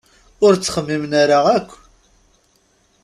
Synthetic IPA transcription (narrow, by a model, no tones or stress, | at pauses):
ʊɾt͡sːχəmːimnaɾaækʷː